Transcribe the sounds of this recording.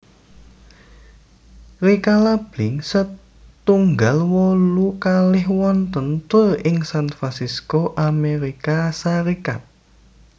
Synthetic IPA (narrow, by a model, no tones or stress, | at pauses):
ɾikalab̥lɪŋsə | t̪uŋɡalwɔlukalɪhwɔnt̪ənt̪ʊrɪŋsanfɾansiskoʔameɾikasaɾika̰t̪̚